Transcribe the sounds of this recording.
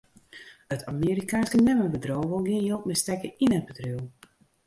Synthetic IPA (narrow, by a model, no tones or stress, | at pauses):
ətʰamiːɾikaːnskənɛməbədroːwvəlˠɡijolˠt̚mɛstɛkəinət̚bədry